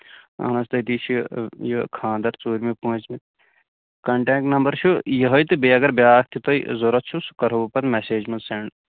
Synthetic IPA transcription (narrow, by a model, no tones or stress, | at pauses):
ɐ̰nɐst̪ɐt̪iːʃʰjɐkʰãːnd̪ɐɾt͡suːɾʲmipũːt͡ʃmi | kɐɳʈẽːk̚ʈnɐmbɐɾʃʰujɐɦɐjt̪ɨbeːɐɡɐɾbʲjaːkt̪ʰit̪oizoɾɐt̪̚t͡ʃʰusu̥kɐɾɐʋpɐt̪meseːd͡ʒmɐnseɳɖ